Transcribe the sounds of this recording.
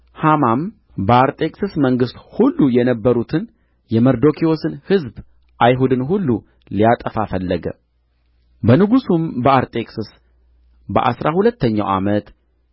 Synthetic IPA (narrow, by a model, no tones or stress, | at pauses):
hamam | bəaɾt̪ʼe̞kʼsɨsməŋɡɨst̪hulːujɛnəbːəɾut̪ʰɨn | jɛməɾd̪o̞kʰio̞sɨnhɨzb | ʔajɦud̪ɨnɦulːu | lijat̪ʼəfafəlːəɡə̰ | bənɨɡusumbəaɾt̪ʼe̞kʼsɨs | bə̰ʔa̰sɾahulət̪ʰːəɲːa̰wʔa̰mət̪